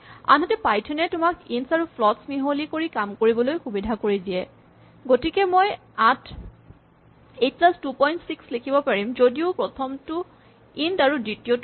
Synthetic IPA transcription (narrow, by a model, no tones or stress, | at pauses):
a̰nɦɔtɛpajtʰɛnɛtʊmakinsaɹupʰlɔtsmiɦolikoɹikamkoɹibɔlojxubidʱakoɹidiɛ | ɡotikɛmoj | atʰ | et̚plastupɔjntsikslekʰibɔpaɹimzodiʊpɹɔtʰɔmtʊ | intaɹudɹitiot